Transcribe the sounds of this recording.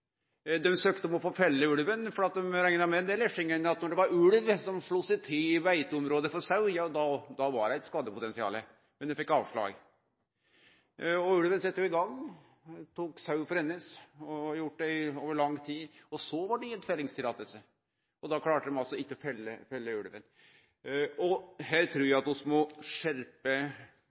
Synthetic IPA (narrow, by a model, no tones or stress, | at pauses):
d̪ɛmsøːkt̪əɔmɔfoːfɛlːəʉlʋənfɔɾɑt̪̚d̪ɛmɾæɪnəmɛd̪ɛlɛʂɪŋənːəɾɑt̪nɔɖɛʋɑɾʉlʋsɔmʂɭuːsɪt̪ʰɪlɪʋæɪt̪əɔmɾoːd̪əfɔɾsɑʉjɑːd̪ɑd̪ɑʋɑɾæɪt̪skɑːd̪əpʰʊt̪ɛnsɪɑ̰ːlə | mɛnd̪ɛfɛkːɑːʋʂɭɑ̰ːɡ | ɔʉlʋənsɛt̪ːəjʉɪɡɑŋː | t̪ʰuːksɑʉfɔɾɛnːəsɔjʊʈːd̪ɛoːʋəɭɑŋːt̪ʰiːd̪ɔsɔʋɑɖɛɛt̪fɛlɪŋst̪ɪɾɑt̪əsə | ɔd̪ɑkʰlɑːʈəmɛnɑlsɔɪkːəɔfɛlːəfɛlːəʉɽʋən | ɔɦæːɾt̪ʰɾuːɾjæɪɑt̪ɔsmɔʂɛɾpə